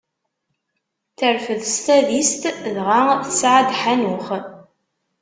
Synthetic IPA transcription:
θəɾfəðst̪æðist̪ðʁaθsʕad̪ħænʊχ

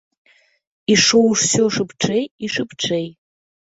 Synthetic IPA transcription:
iʂowʂsoʂɨpʰʈ͡ʂʰejiʂɨpʰʈ͡ʂʰej

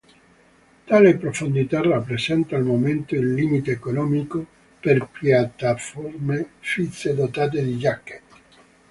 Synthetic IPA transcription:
t̪alepɾofond̪it̪arapːɾesɛnt̪aːlmoment̪oilːimit̪eːkonɔːmiko | perpjat̪ːaformefit̪sːed̪ot̪aːt̪̬ed̪id͡ʒakːe̥t̪

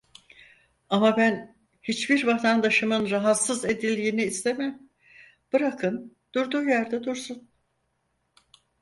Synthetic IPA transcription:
amabæn | hit͡ʃbiɾbat̪ʰand̪aʃɯmɯnɾaɦat̪sɯze̞d̪ilʲːiːniːst̪emæm | b̥ɯɾakʰɯn | d̪̥uɾd̪uːjæɾd̪ɛd̪uɾsun

